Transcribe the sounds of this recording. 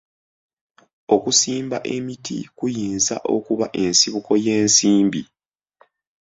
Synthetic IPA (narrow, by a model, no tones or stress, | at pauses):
o̞kusiːmbaʔe̞mitʰḭkujiːnza̰ʔo̞̰kuβaʔe̞nsiβuko̞jeːnsiːmbi